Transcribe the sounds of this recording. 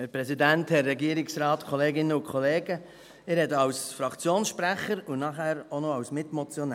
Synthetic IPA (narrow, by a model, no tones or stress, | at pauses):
hɛɾpɾɛsidænthɛrːɛɡiəɾɪksɾɑːtkʰɔleːɡɪnəʊkʰɔleːɡə | ɪːɾhɛdəɑwsfɾɑkt͡sjoːnsʃpɾæχəɾʊnɑχæːɾonɔɑwsmɪtmɔt͡sjɔnɛ